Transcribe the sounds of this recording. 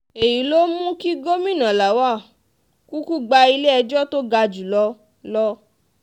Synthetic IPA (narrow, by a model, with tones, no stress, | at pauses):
e˨ji˨lo˦mũ˦ki˦ɡo˦mĩ˦˨nã˨la˨˦wa˦˨ | ku˦ku˦ɡ͡ba˧i˧le˦ɛ˧d͡ʒɔ˦to˦ɡa˧d͡ʒu˨lɔ˧˦ | lɔ˦